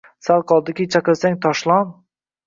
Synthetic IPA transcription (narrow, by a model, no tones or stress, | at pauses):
salˠqʰɒlˠd̪ɪkʲɪt͡ʃʰaqɨlsaŋt̪ʰɒʃlˠɒn